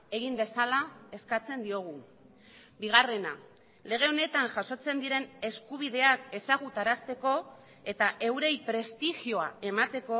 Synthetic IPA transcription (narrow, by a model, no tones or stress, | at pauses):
e̞ɣ̞imbe̞salae̞skat͡se̞nd̪io̞ɣ̞u | biɣ̞are̞na | le̞ɣ̞e̞o̞ne̞t̪aŋʝaso̞t͡se̞nd̪iɾe̞ne̞skuβ̞ið̞e̞ake̞saɣ̞ut̪aɾast̪e̞ko̞ | e̞t̪aʔe̞wɾe̞jpɾe̞st̪ixio̞ae̞mat̪e̞ko̞